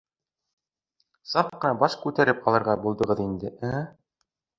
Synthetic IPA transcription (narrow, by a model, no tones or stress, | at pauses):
sɑp̚qɤ̆nɑbɑʃkʉt̪æɾɘpɒlˠɤ̆ɾʁɑbulˠd̪ɤ̆ʁɤðind̪ɘæ